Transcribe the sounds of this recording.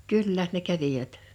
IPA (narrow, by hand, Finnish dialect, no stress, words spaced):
kylːæ ne kæʋiʋæt